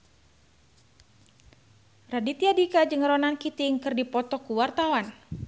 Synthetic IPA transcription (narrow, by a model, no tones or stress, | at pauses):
radit̪iadikad͡ʒəŋəɾɔnankit̪iŋkɨrdipɔt̪ɔkuwart̪awan